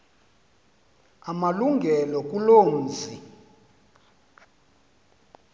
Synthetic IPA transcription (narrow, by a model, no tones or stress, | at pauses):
amaluŋɡʱɛlɔk̬ʼuloːnd͡zʱi